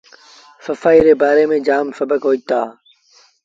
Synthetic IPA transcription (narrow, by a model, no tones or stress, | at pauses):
səfaːiːɾeːbaːɾeːmẽːd͡ʒaːmsəbəkɦoːit̪aː